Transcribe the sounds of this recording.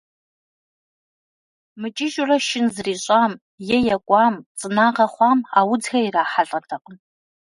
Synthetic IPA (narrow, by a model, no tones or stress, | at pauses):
mɨt͡ʃʼɪʒʼʊrɐʃɪnzriːɕʼaːm | jɛjɛkʷʼɑːmt͡sʼɨnaːqɐχʷɑːmawʊd͡zxɐiraːħaɬʼɐtʰɐqʼən